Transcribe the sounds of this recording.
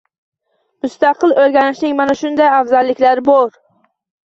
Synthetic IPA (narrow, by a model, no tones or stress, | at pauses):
mʊst̪ɑqʰɨlˠoɾɡʲanɪʃnɪŋmanaʃʊnd̪ajafzalːɪkʲlaɾɪboɾ